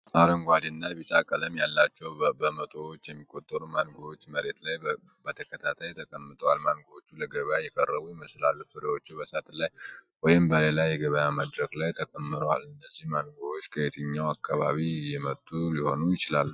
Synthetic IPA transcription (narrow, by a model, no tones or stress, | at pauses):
ʔaɾəŋɡʷad̪ɨnːaβit͡ʃʼakʼələmjalːat͡ʃːɛwbəmət̪ʼowot͡ʃːjɛmːikʼːo̞t̪ʼːəɾumanɡowot͡ʃːməɾe̞t̪lajbət̪ʰəkʰət̪ʰat̪ʰajt̪ʰəkʼəmːɨt̪ʼəwalmanɡoot͡ʃːuləɡəβəjajɛkʼərːəβujɪməslalːufɨd̪əwo̞t͡ʃːubəsat̪ʰlaj | wɔjɪmbəle̞lajɛɡəβəjamad̪ɾəɡlajt̪ʰəkʼəmːɨɾowa̰lɨnːəzːihmanɡowot͡ʃːkʰəet̪ʰɨɲːawakʰːaβaβijɛmət̪ʼːuliho̞nujɪt͡ʃɪlalːu